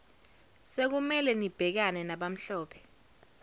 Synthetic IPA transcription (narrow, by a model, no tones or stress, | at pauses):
sek̬umɛlɛnib̥ʱɛk̬anɛnaɓam̩ɬɔːpʰɛ̥